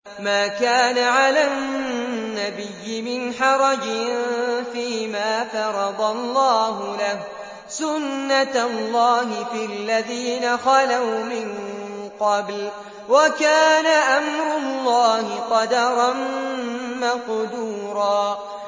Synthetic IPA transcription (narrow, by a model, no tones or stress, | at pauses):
maːkaːnaʕala | nːabɪjːɪmɪnħɑɾˤɑd͡ʒɪnfiːmaːfɑɾˤɑd̪ˤɑlˤːɑːɦʊlah | sʊnːat̪lːɑːhɪfialːaðiːnaxɑlawmɪn | qɑbl | wakaːnaʔamɾʊlːɑːhɪqɑd̪ɑɾˤɑn | maqd̪uːɾɑː